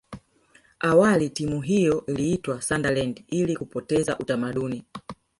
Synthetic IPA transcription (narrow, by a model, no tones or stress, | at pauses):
awalitimuɦijɔliitwasandalɛndilikupɔtɛza̰ʔutamaɗuni